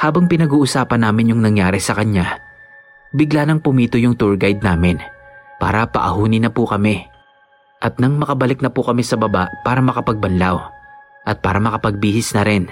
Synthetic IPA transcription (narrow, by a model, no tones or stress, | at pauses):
haːbɐŋpɪnɐɡuːʔʊsaːpɐnːaːmɪnjʊŋnɐŋjaːɾɛsɐkɐɲa | bɪɡlanɐŋpʊmiːt̪ʊjʊŋt̪uɹɡajd̪̚naːmɪnpa̰ːɾɐpɐ̰ʔɐ̰huːnɪnɐpʊkɐmɛ | ʔɐt̪̚nɐŋmɐkɐbɐlɪk̚nɐpʊkɐmisɐbɐba̰ʔpaːɾɐmɐkɐpɐɡ̚bɐnlawʔɐt̪̚pa̰ːɾɐmɐkɐpɐɡ̚biːhɪsnɐɾɪn